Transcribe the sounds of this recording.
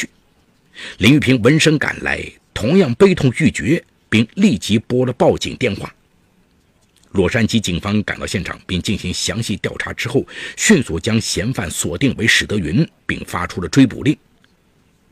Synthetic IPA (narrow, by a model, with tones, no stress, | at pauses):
y˥˩ | ljɛ˧˥ny˥˩pʰi˧˥ŋwə˧˥nʂɤ˥ŋka̰˨˩nla̰˧˥ɪt̪ʰʊ˧˥ŋjɑ˥˩ŋpe˥ɪt̪ʰʊ˥˧ŋt͡ɕy˥˩t͡ɕɥɛ˧˥ | pi˥˧ŋli˥˩t͡ɕi˧˥pwɔ˥d̪ə˨pɑ˥˩ʊt͡ɕḭ˨˩ŋt̪jɛ˥˧nxwa̰˥˩ | lwɔ˥˩ʂa˥nt͡ɕi˥t͡ɕi˨˩ŋfɑ˥ŋka˨˩nt̪ɑ˥˧ʊɕjɛ˥˩nʈ͡ʂʰɑ̰˨˩ŋpi˥˧ŋt͡ɕi˥˩nɕi˧˥ŋɕjɑ˧˥ŋɕi˥˧t̪jɑ˥˩ʊʈ͡ʂʰa˧˥ʈ͡ʂɻ̩˥xo˥˩ʊɕy˥˧nsu˨˩t͡ɕjɑ˥ŋɕjɛ˧˥nfa̰˨˩nswɔ˨˩t̪i˥˩ŋwe˧˥ɪʂɻ̩˨˩t̪ɤ˧˥ɥy˧˥npi˥˧˩ŋfa˥ʈ͡ʂʰu˥lə˨ʈ͡ʂwe˥ɪpṵ˨˩li˥˩ŋ